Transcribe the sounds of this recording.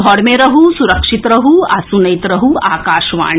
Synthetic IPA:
ɔːɽmeɾɐɦusuɾɐkʂit̪ɾɐɦuasunɐjt̪ɾɐɦuaːkaːʃʋa̰ːɳ

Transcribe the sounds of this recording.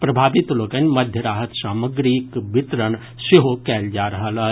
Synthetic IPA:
pɾɐbʱaːʋɪt̪loːkənmɐd̪ʱjəɾaːɦət̪saːməɡɾikbɪt̪ɾən | seɦokɛːld͡ʒaːɾɐɦəla

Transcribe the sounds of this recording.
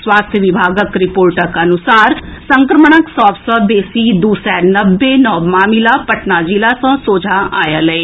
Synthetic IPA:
swaːst̪ʰjəʋɪbʱaːɡəkɾɪpoːɾʈəkənʊsaːɾsə̃ŋkɾəməɳ̃əksɔːpsəb̪eːsiːd̪uːsɛːnəbːenɔːmaːmilapəʈnaːd͡ʒilasãːsoːd͡ʒʱaa̰ːjaːləeː

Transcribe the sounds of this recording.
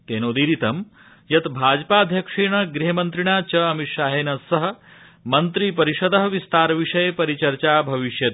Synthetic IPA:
keːnoːd̪iːɾit̪ɐm | jɐt̪bʱaːd͡ʒpaːd̪ʱjɐkʂiːɳɐɡɾiɦɐmɐnt̪ɾiɳ̃aːt͡ʃɐɐmit̪ʃaːɦeːnɐsɐɦɐ̆ | mɐnt̪ɾipɐɾiʃɐd̪ɐɦɐʋist̪aːɾɐʋiʂɐjɐpɐɾit͡ʃɐɾt͡ʃaːbʱɐʋiʃjɐt̪

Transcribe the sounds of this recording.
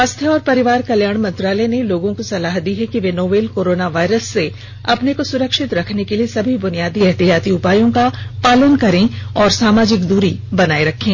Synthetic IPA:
aːst̪ʰjəɔːɾpɐɾɪʋaːɾkɐljaːɽ̃mɐ̃nt̪ɾaːlɛneloːɡõkosɐlaːɦd̪iɦɛkiʋeːnoːʋeːlkoːɾoːnaʋaːɪɾəsːe | ɐpnekosʊɾəkʃɪt̪ɾɐkʰnekeliesɐbʱibʊnijaːd̪iɛɦt̪ijaːt̪iʊpaːjõkapaːlənkɐɾẽɔːɾsaːmaːd͡ʒɪkd̪uːɾibɐnaːeɾɐkʰːẽː

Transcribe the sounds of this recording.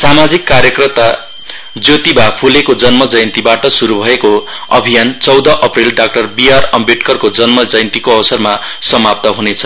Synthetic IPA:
samad͡zikːaɾjʌkrʌt̪a | d͡zjot̪ibapʰulekod͡zʌnmʌd͡zʌjnt̪ibaʈʌsuɾubʱʌeko | ʌ̰bʱijant͡sʌwd̪ʌʔʌprilɖak̚ʈʌrbiarʌmbiʈkʌrkod͡zʌnmʌd͡zʌjnt̪ikoʌwsʌrma | sʌmap̚t̪ʌɦunet͡sʰʌ̥

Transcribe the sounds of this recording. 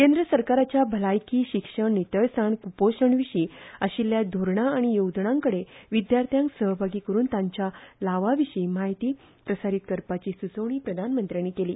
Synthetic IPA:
kend̪ɾəsəɾkaɾat͡ɕjabʱəlajkiːɕikʂəɳnit̪əjsaɳkupoɕəɳʋiɕiːəɕiljad̪ʱoɾɳaːɽ̃ijowd̪ɳãŋkəɽeʋid̪jaɾt̪ʰjãŋksəɦbʱaɡiːkəɾuːnt̪ãɲt͡ɕjalaʋaʋiɕiːmaɦit̪iː | pɾəsaɾit̪̚kəɾpat͡ɕiːsut͡səwɳ̃iːpɾəd̪ʱanmənt̪ɾjañiːkeliː

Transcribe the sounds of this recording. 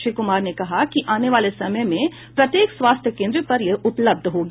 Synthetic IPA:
ʃikʊmaːɾnekɐɦakiʔaːneʋaːlesɐməjmẽ | pɾɐt̪jeːkswaːst̪ʰjəkẽːnd̪ɾipɐɾjɐʊpləb̚d̪ʱɦoːɡ

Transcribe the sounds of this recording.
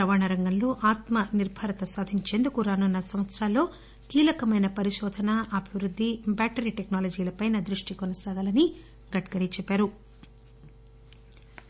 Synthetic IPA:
ɾɐʋaːɳɐɾɐŋɡɐnlo̞ːʔaːt̪mɐniɾbʱɐɾɐt̪ɐsaːd̪ʱiɲt͡ʃe̞nd̪ukuɾaːnunːɐsɐmʋɐt̪sɾaːlːo̞ː | kiːlɐkɐmɐjnɐpɐɾiʃɔːd̪ʱɐnɐʔɐbʱiʋɾud̪ʱːibaːʈɐɾiːʈe̞knaːlɐd͡ʒiːlɐpɐjnɐd̪ɾuʂʈikɔnɐsaːɡɐlɐni | ɡɐʈɡɐɾiːt͡ʃɛpːaːɾu

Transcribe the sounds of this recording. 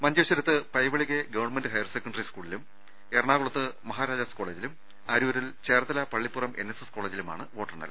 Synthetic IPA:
mɐnd͡ʑɐːɕɐɾɐt̪ːɨpɐjʋɐɭiɣeɡɐʋɐrnmendɨɦɐjɐrsekːɐɳɖɐriskuːɭilum | erɳaːɣuɭɐt̪ːɨmɐɦaːɾaːd͡ʑaːskoɭe̞ːd͡ʑilum | aːɾuːɾilt͡ɕeːrt̪ɐlɐpɐɭːipːurɐmʔenːesesko̞ːɭeːd͡ʑiluma̰ːɳɨʋo̞ːʈːɐrnɐ̰l

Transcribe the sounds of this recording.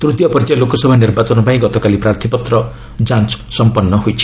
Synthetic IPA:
t̪ɾud̪jɔpɔɾid͡ʒalokɔsɔbʱanirbat͡ʃɔnɔpaĩɡɔt̪ɔkalipɾart̪ʰipɔt̪ɾɔ | d͡ʒanssɔmpɔnːɔɦojt͡ʃʰi̥

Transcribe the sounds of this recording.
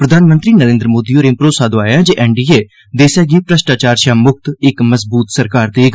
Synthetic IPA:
pɾəd̪ʱaːnmənt̪ɾiːnəɾẽːnd̪ɾəmoːd̪iːoːɾẽpɾoːsaːd̪oaːjãːd͡ʒeːʔɛːɳɖiːeː | d̪eːsɛːɡiːpɾəʃʈaːt͡ʃaːɾʃaːmʊk̚t̪ɪkməzbuːt̪səɾkaːɾd̪eːɡ

